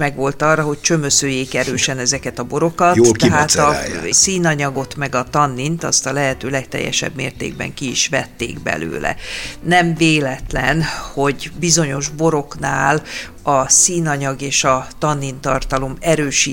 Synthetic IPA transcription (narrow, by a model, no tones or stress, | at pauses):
mɛɡʋo̞lt̪ɒrːɒɦo̞ct͡ʃø̞møsøːjeːkɛɾøːʃɛnɛzɛkɛt̪ɒbo̞ɾo̞kɒtjɦaːt̪ɒsiːnɒɲɒɡo̞t̪mɛɡɒt̪ɒnːint̪ɒ̰st̪ɒlɛɦɛt̪øːlɛkt̪ɛ̰jːɛ̰ʃɛ̰bmḛːrt̪ḛːɡ̚bɛ̰ŋkiiʃʋɛt̪ːḛːɡbɛ̰lø̰ːlɛ̰nɛmveːlɛt̪lɛnho̞ɟbizo̞ɲo̞ʒbo̞ɾo̞knaːl | ɒsiːnɒɲɒɡeːʃɒt̪ɒnːint̪ɒrt̪ɒlo̞mɛɾøːʃiː